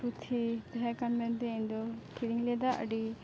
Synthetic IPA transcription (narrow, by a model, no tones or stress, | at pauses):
ɾut̪ʰit̪ɛɦɛkanmɛnd̪ɛind̪ɔkʰiɾiŋlɛd̪aʔə̰ɖi